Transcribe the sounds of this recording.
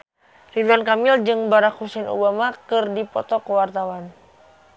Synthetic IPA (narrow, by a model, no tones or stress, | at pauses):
ribuankamild͡ʒɨŋbaɾakhusɛnṵbamakɨrdipɔt̪ɔkəwart̪awan